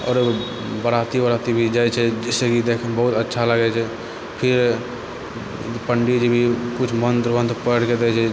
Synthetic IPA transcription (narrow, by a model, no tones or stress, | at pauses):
ɔ̰ːɾ | bəɽat̪ibəɽat̪ibʱid͡ʒajt͡ʃʰɛd͡ʒɛsekid̪ekʰəbəɦut̪ətːʃʰaləɡɛt͡ʃʰɛ | pʰiɾ | pəɳɖid͡ʒibʱikut͡ʃʰmənd̪ɾbənd̪pəɽked̪ɛt͡ʃʰɛ